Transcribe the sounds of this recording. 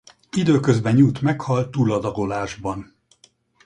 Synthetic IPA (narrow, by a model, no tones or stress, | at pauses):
id̪øːkøzbɛɲuːt̪mɛkhɒlt̪ːuːlɒd̪ɒɡo̞laːʒbɒn